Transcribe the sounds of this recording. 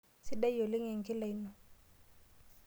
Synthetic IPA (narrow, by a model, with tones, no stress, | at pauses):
sɪ˦ɗa˦jjo˨lɪ˦ŋe˨ŋ̩˨kɪ˦la˨i˦nɔ˨